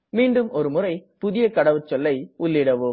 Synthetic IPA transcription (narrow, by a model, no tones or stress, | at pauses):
miːɳɖɯmɔɾɯmʊrɐɪpʊðɪjɐkɐɽɐʋɯt͡ʃːɔlːɐɪʊlːɪɽɐʋɯ